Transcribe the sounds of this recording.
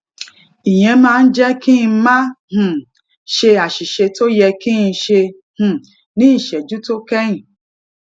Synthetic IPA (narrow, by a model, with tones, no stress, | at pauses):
i˨j̃ɛ̃˧mãː˦n̩˦d͡ʒɛ˦ki˦n˧˦mã˦h̩˨ | ʃe˧a˨ʃi˨ʃe˧to˦jɛ˧kĩ˦n˧˦ʃe˧ | h̩˨ | nĩ˨˦n̩˨ʃɛ˨d͡ʒu˦to˦kɛ˦ĩ˨